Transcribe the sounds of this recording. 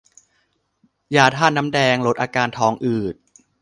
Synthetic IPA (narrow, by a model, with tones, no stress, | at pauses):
jaː˨˩t̪ʰaː˥˩nːa˦˥mdɛː˧ŋlo˦˥t̪̚ʔaː˧kaː˧nt̪ʰɔː˧ŋʔɯː˨˩t̪̚